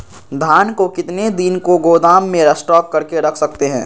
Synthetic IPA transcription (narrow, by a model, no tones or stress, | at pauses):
d̪ʱaːnkokɪt̪ned̪ɪnkoɡoːd̪aːmːẽɾɐsʈɔːp̚kɐɾkeɾɐkʰsɐk̚t̪eɦɛ̰̃ː